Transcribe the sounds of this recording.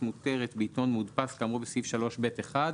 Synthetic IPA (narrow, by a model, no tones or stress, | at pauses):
muteʁet̪beito̞nmudpaskamʁubesifʃalo̞ʃbe̞t̪eχad